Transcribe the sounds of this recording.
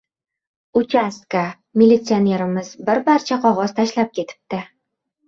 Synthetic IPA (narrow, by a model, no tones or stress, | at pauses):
ʊt͡ʃʰʲaska | mʲilʲːit̪sɨone̞ɾɪmɪzbɪɾbaɾt͡ʃʰaqʰɒʁɒz̥t̪ʰaʃlap̚kʲʰe̞t̪ʰɪ̥p̚t̪ɪ